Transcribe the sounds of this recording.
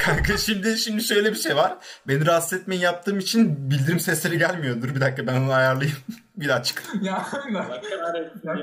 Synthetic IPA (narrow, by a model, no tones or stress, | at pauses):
kʰaɾkʰaʃimd̪ɪʃimd̪iʃø̞jlʲebiʃe̞jvaɾ̥be̞niɾast̪ɛt̪̚mejinjap̚t̪ʰɯːmit͡ʃʰinbilʲd̪iɾimsɛslʲe̞ɾiɟælʲmijo̞d̪uɾbid̪ak̚kːabænonajaɾlˠajɯm | bilat͡ʃʰkja